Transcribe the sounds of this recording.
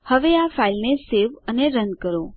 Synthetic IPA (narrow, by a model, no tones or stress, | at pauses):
həʋeafailneseʋəneɾənkəɾo